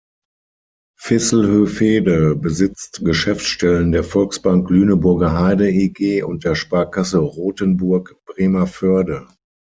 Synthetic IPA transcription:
fɪsl̩høːfeːdəbəzɪt͡stɡ̥əʃɛft͡sʃtɛləndeːɐfɔlksb̥aŋk̚ɡ̥lyːnəbʊɐɡɐɦaɪdəiɡeːʔʊnt̚d̥eːɐʃpaːɐkasəʁoːtənbʊɐkb̥ʁeːmɐfœɐdə

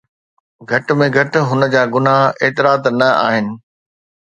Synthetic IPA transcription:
ɡʱɐʈmẽɡʱɐʈɦʊnə̆d͡ʑaːɡʊnaɦeːt̪ɪɾaːt̪nɐa̰ːɦɪnɪ̆

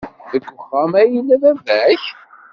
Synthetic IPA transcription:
ðəkːəχːamæjilːæðævæç

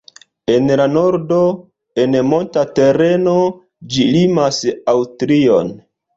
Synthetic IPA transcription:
e̞nlanoɾdo̞ | e̞nmo̞ntate̞ɾe̞no̞ | d͡ʒilimasawstɾio̞̰n

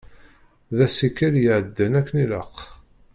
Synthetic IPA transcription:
ðæsikːəljəʕəd̪ːənækːəniləq

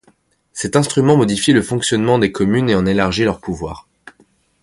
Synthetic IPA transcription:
sɛt̪ɛ̃st̪χymɑ̃mɔd̪ifjiləfɔ̃ksjɔnmɑ̃d̪ekʰɔmyneɑ̃nelaʁʒilœʁpuvwa̰ːʁ

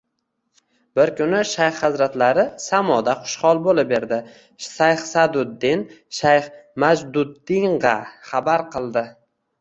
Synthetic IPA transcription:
bɪɾkʰʲʊnɪʃajχhazɾat̪laɾɪsamɒd̪aχʊ̥ʃχɒlˠbolɪp̚be̞ɾd̪ɪ | sajχsad̪ʊd̪ːɪnʃajχmad͡ʒd̪ʊd̪ːɪŋʁɑχabaɾqɨlˠd̪ɪ

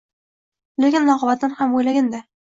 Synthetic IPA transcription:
lekʲɪnlˠɒqɒbat̪̚ːanhamojlaɡʲand̪a

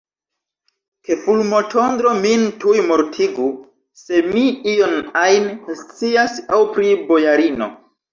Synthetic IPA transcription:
ke̞fulmo̞tʰo̞nd̪ɾo̞mintujmoɾtʰiɡu | se̞miijo̞najnst͡siasawpɾibo̞jaɾino̞̰

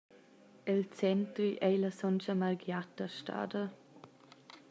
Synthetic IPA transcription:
elt͡sɛnt̪ɾiʔɛləsɔnt͡ʃəmaɾɡjat̪əʃta̰ːdə

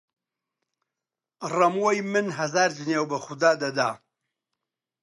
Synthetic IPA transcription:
rɐmwɐjmɨnɦɐzaːɾd͡ʒɨnewbɐxʊd̪aːd̪ɐd̪aː

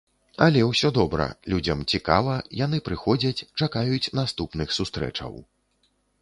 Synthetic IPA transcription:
ɐlʲɛwsʲɔd̪ɔbɾɐ̰lʲud͡zʲɐmt͡sʲikavɐjanɨpɾɨxɔd͡zʲɐt͡sʲt͡ʂakajut͡sʲnast̪upnɨxsust̪ɾɛ̰t͡ʂɐ̰w

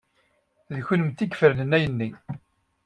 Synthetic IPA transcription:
ðçənəmt̪ːikfəɾnənæjənːi

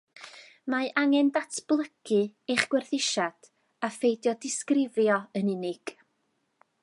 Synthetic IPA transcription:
maʔaŋɛndatʰb̥lˠəɡɨejχɡ̥wɛrθɪʃad̥ | afejdjɔdɪskrɪvjɔənɪnɪɡ̥

